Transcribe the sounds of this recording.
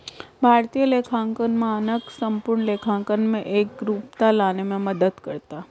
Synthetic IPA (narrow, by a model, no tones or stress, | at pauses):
bʱaːɾt̪ijəleːkʰãːŋkənmẽnəksə̃mpʊɾɳleːkʰãːŋkənmẽʔeːk̚ɾuːpt̪alaːnemẽməd̪əd̪kəɾt̪a